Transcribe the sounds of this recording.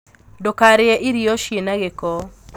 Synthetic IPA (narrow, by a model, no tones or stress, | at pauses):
dokaɾɪɛʔiɾioʃjenaɡekɔ